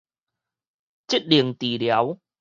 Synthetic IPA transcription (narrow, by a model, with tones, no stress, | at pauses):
t͡ɕi˦˥t̚ɗi˨˩əŋt̪i˨˩ɗɛ˨˦w